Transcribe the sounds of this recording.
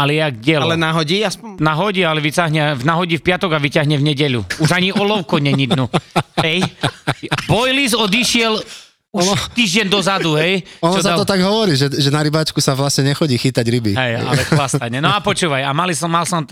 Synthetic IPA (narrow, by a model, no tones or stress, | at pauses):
alɛjaɡɟɛlalɛnaɦɔɟiaspɔnaɦɔɟialɛʋisaɦɲɛnaɦɔɟifpɪat̪ɔɡaʋicaɦɲɛvɲɛɟɛʎuuʒaɲiɔlɔʊkɔɲɛɲid̪nuɦɛj | bɔjlizɔd̪iʃɪɛl | uʃt̪iːʒɟɛnd̪ɔzad̪uɦɛjɔnt͡ʃ̪ɔs̬aaɔt̪aɡɦɔʋɔɾiːʒɛʒɛnaɾibaːt͡ʃkusaʋlasɲɛɲɛxɔɟiːxit̪aɟɾibiɦɛjja̰lɛklast̪aɲɛnɔapɔt͡ʃuːʋajamalismːalsɔm